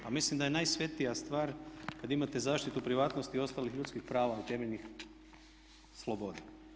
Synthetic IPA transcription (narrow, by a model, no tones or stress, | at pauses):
amislimd̪ajenajsʋe̞t̪ijast̪ʋaːɾkad̪imat̪e̞zaːʃt̪it̪upɾiʋaːt̪no̞st̪iːo̞st̪aːlixʎut̪skixpɾaːʋait̪e̞meʎʲnix | slˠobod̪a